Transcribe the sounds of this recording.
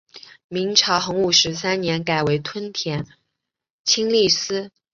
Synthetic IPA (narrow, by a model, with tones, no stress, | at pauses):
mi˧˥ŋʈ͡ʂʰɑ˧˥ʊxɤ˧˥ŋu˨˩ʂɻ̩˧˥s̬a˥nnjɛ˧˥nka˨˩ɪwe˧˥ɪt̪ʰwə˥nt̪ʰjɛ˧˥n | t͡ɕʰi˥ŋli˥˩sɹ̩˥